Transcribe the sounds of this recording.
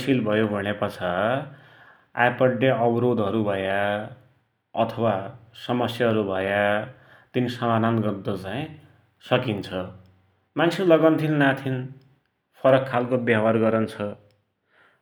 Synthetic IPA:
sʰilbʱʌjobʱʌɽ̃epʌt͡sʰa | a̰jpʌɖːeʌbɾod̪ɦʌɾubʱʌja | ʌt̪ʰʌwasʌmʌsjaɦʌɾubʱʌja | t̪inisʌmananɡʌd̪ʌt͡saĩ | sʌkint͡sʰʌ | mant͡sʰilːʌɡʌnt̪ʰinnat̪ʰin | pʰʌɾʌkʰːalkobjawarɡʌɾʌnt͡sʰʌ

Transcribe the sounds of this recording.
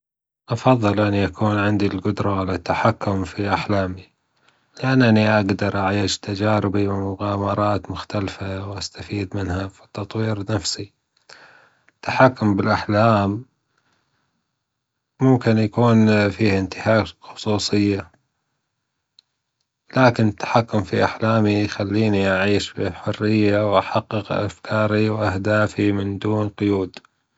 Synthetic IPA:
ʔɑfɑðˤːɨlʔɪnːiʔakʰuːnʕɪnd̪ilɡʊd̪ɾˤɑʕalat̪ːaħakːʊmfiʔaħlaːmi | lɪʔanːʔaniʔaɡd̪ɑɾˤʔaʕjɪʃt̪ad͡ʒaːɾɪbiwɪmʊɣaːmɑɾˤɑːt̪mʊxt̪alfawʔast̪afiːd̪mɪnhafi̥t̪ːɑt̪ˤwiːɾnafsi | t̪ːḁħakːʊmbɪlʔaħlaːm | ʊmkɪnjakuːnfiːhɪnt̪ɪhaːxʊ̥sˤuːsˤɨjːa | laːkɪnɪt̪ːḁħakːʊmfiʔaħlaːmijxalːiːniʔaʕiːʃbiħʊrːɪjːawʔaħaqːɨqʔa̰fkʰɑːɾiwʔahd̪aːfimɪnd̪uːnqʊjuːd̪

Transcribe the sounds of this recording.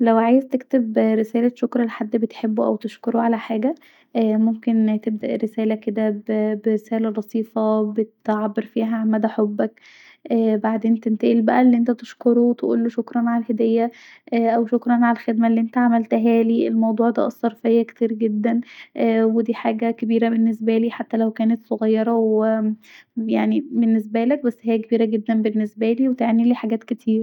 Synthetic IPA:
læwʕaːjezt̪ekt̪ebɾesæːlæʃokɾˤɑlħad̪ːbet̪ħebːuʔæ̰wt̪eʃkoɾoʕalæħaːɡæ | ʔæmomkent̪ebd̪æ̰ʔɾesæːlæked̪æbbeɾesæːlælɑsˤiːfɑbet̪ʕabːeɾfiːɦæʕamːæd̪æħobːæk | ʔæːbaʕd̪eːnt̪ent̪æʔilbæʔælːiʔent̪æt̪eʃkoɾowt̪eʔṵːlːoʃokɾˤɑnʕaælhed̪æjːæ | ʔʔæwʃokɾˤɑnʕalælxed̪mælːiʔent̪æʕamælt̪ɦæːliːelmɑwd̪ˤuːʕd̪æ̰ːʔɑsˤːɑɾˤfejːæke̥t̪iːɾɡed̪ːænʔwed̪iːħaːɡækebiːɾæbenːesbæliːħat̪ːælæwkæːnæt̪sˤoɣɑjːɑɾˤɑwe | jaʕnibenːes̬bælæk̚bæsːhæjːækebiːɾæɡed̪ːænbenːesbæliːwet̪eʕaniliːħaɡæːt̪ket̪ʰiːɾ

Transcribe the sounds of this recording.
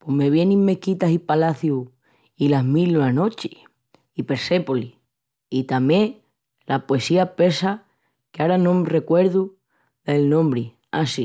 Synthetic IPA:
pwome̞β̞jenĩmmːe̞kit̪asipalaθju | ilaɦmiloano̞t͡ʃi̥ | ipe̞ɾse̞poli | it̪amjẽŋ | lapwe̞siape̞sa | keaɾanomre̞kwe̞ɾðu | ðe̞lnõmbɾi | asi

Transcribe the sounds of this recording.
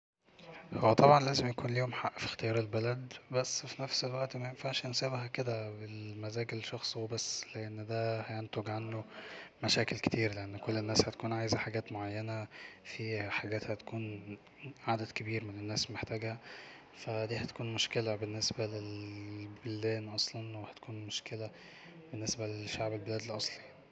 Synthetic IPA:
howːæt̪ˤɑbʕɑnlæːzemjækuːnliːhomħaʔːfi̥xt̪ejɑːɾˤelbælæd̪bæsːfinæfselwæʔt̪mæjenfaʃʔensæːbhæked̪æbelmæzæːɡelʃɑxsˤubæsːleʔenːd̪æːhæjent̪oɡʕanːomæʃæːkelke̥t̪iːɾleʔenːkolːenːæːshæt̪æ̥kuːnʕajzæħaɡæːt̪moʕajːænæfiħaɡæːt̪hæt̪æ̥kuːn | ʕad̪æd̪kebiːɾmenenːæːslmeħt̪æːɡhæ | fæd̪iːhæt̪æ̥kuːnmoʃkelæbenːesbælelbeld̪æːnʔɑsˤlɑnwehæ̥t̪æ̥kuːnmoʃkelæ | benːesbælʃaʕbelbelæːd̪elʔɑsˤli

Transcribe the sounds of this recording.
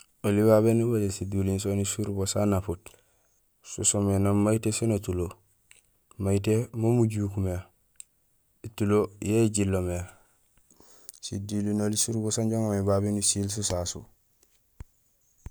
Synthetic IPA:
oliβaβenubadesidulinsonisuɾbosanaput | susomenamaitesinotulo | majit̬emomuɟukume | itulojeɟilːome | sidilinolisuɾbosanɟoŋomibabenusils̬usasṵ

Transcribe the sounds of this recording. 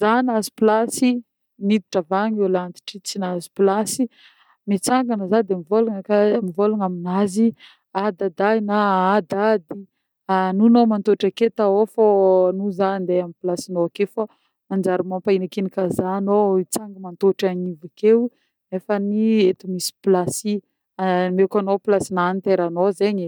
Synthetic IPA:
zanazi̥plasi | nid̪i̥ʈ͡ʂavaɲelant̪i̥ʈ͡ʂit͡sinazi̥plasi | mit͡saŋɡanəzad̪emivoluŋəkamivoluŋaminazi | ad̪ad̪ajnaad̪ad̪i | anunomant̪oʈ͡ʂaket̪aofonuzand̪eamiplasinoakefa | and͡ʒaɾumãpainakinikazanoit͡saŋɡəmant̪oʈ͡ʂaɲivakew | efəniet̪umisi̥plasi | amekanoplasinanit̪eɾanozeɲi

